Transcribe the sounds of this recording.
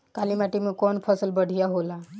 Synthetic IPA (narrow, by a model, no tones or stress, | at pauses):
kalimaʈimẽkɔːnpʰəsəlbəɽ̤ʱijaɦola